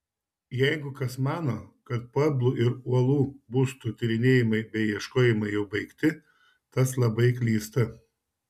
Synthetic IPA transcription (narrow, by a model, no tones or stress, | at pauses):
jɛɪɡʊkɐsmɑːnoːkɐt̪̚pɐblˠuːʔɪɾuɔlˠuːbust̪ut̪ʲɪɾʲɪnʲeːjɪmɐɪbʲɛɪjiɛʃkoːjɪmɐɪjɛʊbɐɪkt̪ʲɪ | t̪ɐslˠɐbɐɪk̬lʲiːst̪ɐ